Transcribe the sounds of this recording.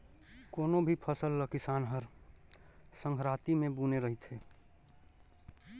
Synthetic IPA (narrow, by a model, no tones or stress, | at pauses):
koːnobʱipʰəsəlːəkɪsaːnɦəɾ | sə̃ŋɡʰʱɾaːt̪imẽbuːneɾəɦit̪ɦeː